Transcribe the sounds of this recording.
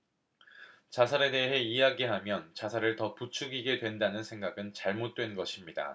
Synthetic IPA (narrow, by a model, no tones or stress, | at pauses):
t͡ɕasʰaɾe̞de̞ɦe̞ijaɡiɦamjʌnt͡ɕasʰaɾɯɭtʌput͡ɕʰuɡiɡe̞dwe̞ndanɯnsʰe̞ŋɡaɡɯnt͡ɕaɭmot̚t͈we̞nɡʌɕʰimɲida̰